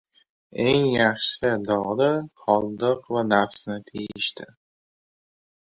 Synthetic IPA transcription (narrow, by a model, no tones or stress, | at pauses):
eŋjaχʃlɪd̪ɒʁd̪aχɒlˠd̪ɨqvanafsnɪt̪ʰejɪʃt̪ʰɪ